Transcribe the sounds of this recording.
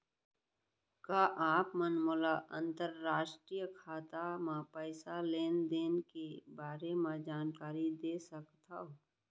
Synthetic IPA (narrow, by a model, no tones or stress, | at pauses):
kaːʔaːpmənmʊlaʔə̃nt̪əɾːaːʃʈɾijəkʰaːt̪amãpəɪsaleːnd̪eːnkebaːɾemãd͡ʒaːnkaːɾid̪eːsəkt̪ao